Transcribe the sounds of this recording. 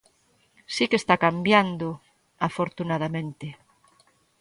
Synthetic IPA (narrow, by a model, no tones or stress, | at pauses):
sikest̪akambjand̪o | afoɾt̪unaðamẽnt̪e